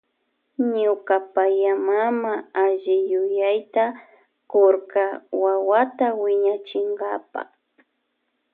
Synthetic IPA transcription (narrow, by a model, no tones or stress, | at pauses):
ɲʊkapajamamaaʒɪjʊjajt̪a | koɾkawawat̪awɪɲat͡ʃɪŋɡapa̰